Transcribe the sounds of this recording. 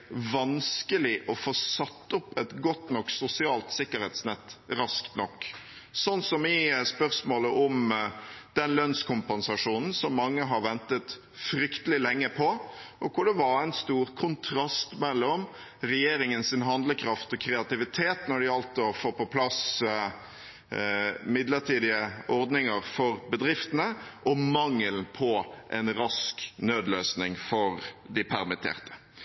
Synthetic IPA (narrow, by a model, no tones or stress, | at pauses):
ʋɑnskəlɪʔɔfoːsɑt̪ːʊpːɛt̪ɡɔt̪nɔkːsʊsɪɑːlt̪sɪkːəɾhɛt̪snɛt̪ːɾɑskt̪nɔkː | sɔnsɔmɪspœɾsmoːləʔɔm | d̪̥ɛnlœnskʰʊmpɛnsɑʂuːnn̩sɔmːɑŋːəɦɑɾʋɛnt̪ət̪ | fɾʏkt̪əlɪlɛŋːəpʰɔʔɔkʰʊɖɛʋɑɾæɪnst̪uːɾkʰʊnt̪ʰɾɑst̪mɛlːɔm | ɾɛjeːɾɪŋənsɪnɦɑnd̪ləkʰɾɑft̪ɔkʰɾɛɑt̪ɪʋɪt̪ʰeːt̪nɔɖɪɑlt̪ɔfoːɾpɔpʰlɑs | mɪd̪ləɾʈʰiːd̪ɪəɔɾd̪nɪŋəɾfɔɾbəd̪ɾɪft̪ənəʔɔmɑŋːəlpʰɔʔɛ̰nɾɑsknøːd̪løːsnɪŋfɔɾd̪ɪpʰæɾmɪt̪ʰḛːʁt̪ə̥